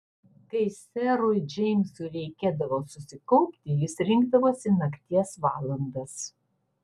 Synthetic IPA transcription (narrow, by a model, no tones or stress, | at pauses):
kɐɪsʲɛɾʊɪd͡ʒʲɛɪmʲsuɾʲɛɪkʲeːd̪ɐʋoːsʊsʲɪkɔʊpʲt̪ʲɪjɪsɾʲɪŋɡd̪ɐʋoːsʲɪnɐkʲt̪ʲiɛsʋɑːlˠɐnd̪ɐs